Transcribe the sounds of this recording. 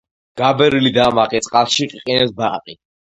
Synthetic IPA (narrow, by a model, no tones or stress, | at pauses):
ɡ̥abɛɾilid̪aːmaqʼit̪sʼqʼalˠʃiqʼiqʼinɛsbaqʼi